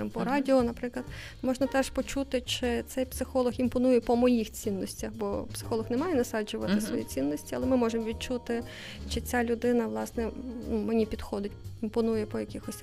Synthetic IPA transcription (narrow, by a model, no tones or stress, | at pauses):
ɪmpɔɾɑdʲiɔnɐpɾɪklˠɐd̪ | mɔʒnɐt̪ɛʂpɔt͡ʃut̪ɪt͡ʃɪt̪sɛjpsɪxɔlˠɔximpɔnujɛpɔmɔjixt͡sʲinːɔsʲtʲɐxbɔpsɪ̥xɔlˠɔxnɛmɑjɛnɐsɑd͡ʒʊʋɐt̪ɪsʋɔ̰jḭt͡sʲinːɔsʲtʲiɐlˠɛmɪmɔʒemɔʋʲid̪̚t͡ʃut̪ɪ | t͡ʃɪt͡sʲalʲʊd̪ɪnɐʋlˠɑsnɛnumenʲipʲid̪xɔd̪ɪtʲimpɔnujɛpɔjɐkʲɪxɔsʲ